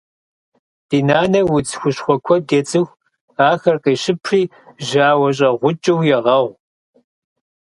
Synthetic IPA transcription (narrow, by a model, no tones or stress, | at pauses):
d̥iːnaːnɐwʊd͡zxʷʊɕxʷɔkʷʰɔdeːt͡sʼɨxʷ | aːxɐrqeːɕɪpʰriː | ʒaːwɐɕ̬ʼɐʁʷʊt͡ʃʼɪwjɛʁɐʁʷ